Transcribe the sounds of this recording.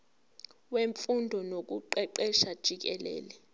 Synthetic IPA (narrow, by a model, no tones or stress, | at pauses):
weɱfundʱɔnok̬uǃɛǃɛʃad̥ʒ̥ʱik̬ɛlɛ̰ːlɛ